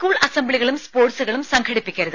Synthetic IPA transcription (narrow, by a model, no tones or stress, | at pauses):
kuːɭʔɐsɐmbɭiɣɐɭɯmspoːʈsɨɣɐɭɯmsɐŋɡʰɐɽipːɪkʲːɐɾɐðɨ